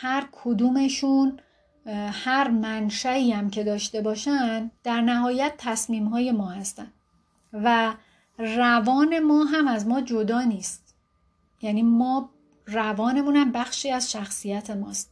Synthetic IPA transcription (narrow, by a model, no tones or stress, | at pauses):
hæɾkʰod̪uːme̞ʃun | hæɾmænʃæiːæmcʰe̞d̪ɒːʃt̪e̞bɒːʃænd̪̥æɾnæɦɒːjæt̪̚t̪ʰːæsmiːmɦɒːje̞mɒːhæst̪æn | væ | rævɒːne̞mɒːɦæmæzmɒːd͡ʒo̞d̪ɒːniːst̪̚ | jæniːmɒː | rævɒːne̞muːnæmbæxʃiːæzʃæxsijæt̪ʰe̞mɒːst̪̚